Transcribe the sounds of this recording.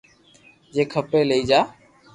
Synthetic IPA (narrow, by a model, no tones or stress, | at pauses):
d͡ʒeːkʰəpeːləiːd͡ʒaː